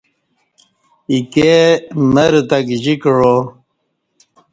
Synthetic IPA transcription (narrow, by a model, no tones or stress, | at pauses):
ikeməɾt̪akʑikɻo